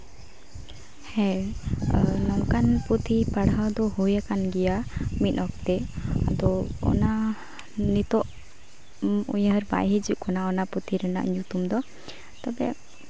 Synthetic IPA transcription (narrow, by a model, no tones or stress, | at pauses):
hɛ̃ | nɔŋkanput̪ʰipaɽɦawd̪ɔhujakanɡɛjamit̪̚ˀɔkt̪ɛa̰d̪ɔɔ̰na | nit̪ɔʔ | ṵɲəɾba̰jɦid͡ʒuʔkɔnaɔnaput̪ʰiɾana̰ʔɲut̪umd̪ɔ | t̪abɛ